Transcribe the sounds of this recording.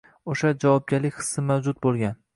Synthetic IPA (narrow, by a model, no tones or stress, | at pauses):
oʃad͡ʒavɒp̚ɡʲaɾlɪkʲχɨ̥sːɪmawd͡ʒʊt̪̚bolˠɡʲan